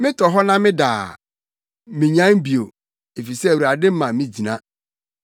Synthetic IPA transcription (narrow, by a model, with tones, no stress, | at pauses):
mɪ̃˦tʰɔ˨ɦɔ˦nã˦mɪ̃˦daː˨ | mɪ̃˨ɲã˦n˦bi˨o˨ | e˨fi˨sɛ˦˨wu˨a˨dɪ˦m̩˦mã˨mɪ̃˦d͡ʑi˨nã˦